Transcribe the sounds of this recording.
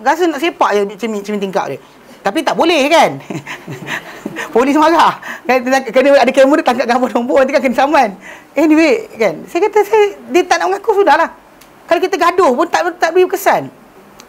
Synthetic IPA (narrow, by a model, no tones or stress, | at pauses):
ɡas̬ənaʔsepaʔjət͡ʃəmit͡ʃəmint̪iŋka̰ʔle | t̪apit̪aʔbolɛhkan | polisəmaɡaʔkaakənəadəkemədət̪aŋkaʔɡabɔdomboat̪ikakənəsamanehniweʔkansajəkat̪asajədiət̪aʔnaʔməŋakusundahlah | kalokit̪əɡadʊhpʊnt̪aʔt̪aʔbɾibkəsan